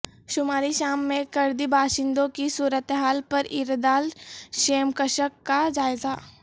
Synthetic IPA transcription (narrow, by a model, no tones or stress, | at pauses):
ʃʊmaːɾiʃaːmːẽkɐɾd̪ibʱaːʃɪ̃nd̪õkisuːɾət̪ɦaːlpɐɾɪɾd̪aːlʃeːmkəʃəkːad͡ʒaːɪza